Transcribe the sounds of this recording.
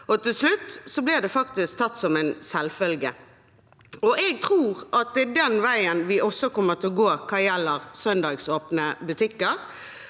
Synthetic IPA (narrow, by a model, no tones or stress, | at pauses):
ɔt̪ɪlslʉt̪ːsɔblɪʁd̪ɛfɑk̚t̪ɪsk̚t̪ʰɑt̪ːsɔmɛɪnsɛlfœlɡə | ɔʔɛɡ̚t̪ʰʁuːʁʔɑt̪̚d̪ɛd̪ɛnʋæɪənʋɪʔɔsɔkɔmːəʁt̪ʰɪlɔɡoːkʰɑːjɛlːəʁsœnd̪ɑːɡsoːpnəbʉt̪ʰɪkːəʁ